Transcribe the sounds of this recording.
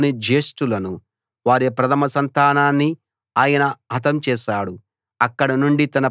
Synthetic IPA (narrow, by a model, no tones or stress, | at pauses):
nid͡ʒe̞ːsʈulɐnu | ʋaːɾipɾɐt̪ʰɐmɐsɐnt̪aːnaːnːi | aːjɐnɐɦɐt̪ɐmt͡ʃɛːʃaːɽu | ɐkːɐɽɐnuɳɖit̪ɐnɐ